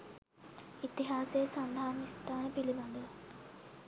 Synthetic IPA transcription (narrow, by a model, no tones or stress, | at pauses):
it̪iɦaːsejːsɐnd̪ʱaːnist̪ʰaːnəpilibɐnd̪ə